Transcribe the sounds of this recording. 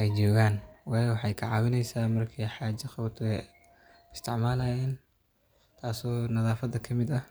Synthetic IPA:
ʔɛjt͡ʃɔːɣaːnwɑːjɔwɑħɑjkʰɐʕɑːwɪnɛjsaːmɐrkʰiħɑːd͡ʒɐχɐwt̪ʰɛ | ɪst̪ʰɪʕmaːlaːjɛːn | t̪ʰaːsɔːnɐðaːfɐd̪ɐkʰɐmɪd̪ɐ

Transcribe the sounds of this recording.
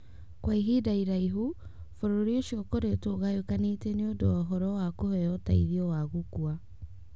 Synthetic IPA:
kwaiɦidaiɾaiɦu | foɾoɾioʃiɔkoɾetoɣajokanetɛneondoɔɦɔɾɔwakohɛɔta̰iðiɔwaɣukua

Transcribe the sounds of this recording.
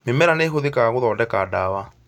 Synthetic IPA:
memɛɾaneːxoðekaaɣoðɔːdɛkaːdawa

